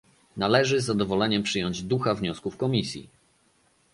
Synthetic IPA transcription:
nalɛʐɘzːad̪ɔvɔlɛɲɛmpʂɘjɔɲd͡ʑd̪uxavɲɔskufkɔmʲisʲjḭ

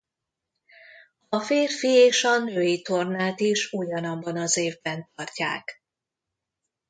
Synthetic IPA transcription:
ɒfeːrfieːʃɒnøːjit̪o̞rnaːt̪iʃuɟɒnɒbːɒnɒzeːvbɛnt̪ɒrca̰ːk

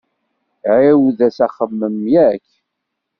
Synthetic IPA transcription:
ʕɪwðæsæχəmːəmjækː

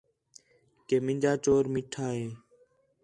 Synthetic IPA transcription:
keːmɪ̃nʲd͡ʒaːt͡ʃoːɾmɪʈʰaːɦeː

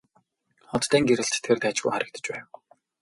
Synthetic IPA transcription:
χɔt̪t̪ːæːŋɡeɾɘ̆ɬt͡ɕt̪ʰːert̪æːt͡ɕɡṵjχaɾə̆k̚t̪ə̥̆t͡ɕpæːw

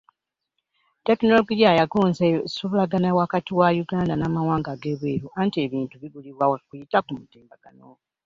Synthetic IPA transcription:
te̞kino̞loɡiajaɡuːnzesuβulaɡanawakatiwajuɡaːndanaːmawaːŋɡaɡeβweːɾuʔantie̞βiːntuβiɡuliβwawekujitakumutiːmbaɡ̥ano

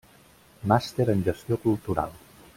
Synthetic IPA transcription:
mast̪eɾənʲʒəst̪jokulˠt̪uɾa̰lˠ

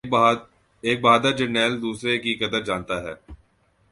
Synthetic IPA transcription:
eːk̚baːd̪ad͡ʒɪnɛːld̪uːsɾekikɐd̪əɾd͡ʒaːnt̪aɦɛ̰ː

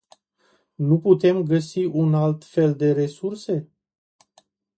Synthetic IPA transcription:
nuput̪e̞mɡəsiunalt̪fe̞ld̪e̞ɾe̞surse̞

